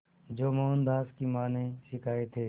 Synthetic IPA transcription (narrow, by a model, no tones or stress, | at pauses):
d͡ʒoːmoːnd̪aːskiːmaːnẽʃɪkaːet̪ʰeː